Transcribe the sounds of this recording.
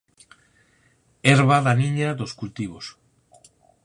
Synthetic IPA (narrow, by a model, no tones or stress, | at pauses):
eɾβaðaniɲaðoskult̪iβ̞os